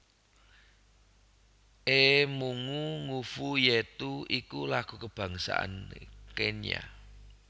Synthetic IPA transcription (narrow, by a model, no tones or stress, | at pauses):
ʔemuŋuŋufujet̪uikulaɡ̥ṳkəb̥ä̤ŋsa̰ʔa̰nkena̰